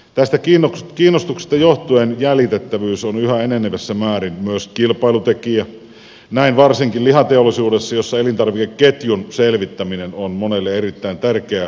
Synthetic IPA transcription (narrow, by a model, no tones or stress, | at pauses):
t̪æst̪ækiːnokiːnːost̪ukse̥st̪ɑjoht̪uenjælit̪et̪ːæʋyːsonyhæenenːeʋesːæmæːɾinmyøskilpˑɑˑilut̪ekiæ | næinʋɑrsiŋkillihɑt̪eolisuːdesːɑjosːɑelint̪ɑrʋikekket̪junselʋit̪ːæminenonmonelːeerit̪ːæint̪ærkeæ